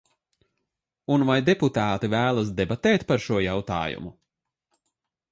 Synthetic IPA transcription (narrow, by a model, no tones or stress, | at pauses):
unvajd̪ɛput̪aːt̪ivæːlˠas̬d̪ɛbat̪ɛːt̪paɾʃuɔjawt̪a̰ːjṵmu